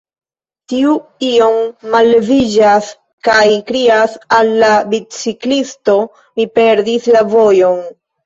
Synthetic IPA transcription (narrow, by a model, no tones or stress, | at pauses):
tiuio̞mːalːevid͡ʒas | kajkɾiasalːabit͡siklisto̞ | mipe̞ɾdislavo̞jo̞n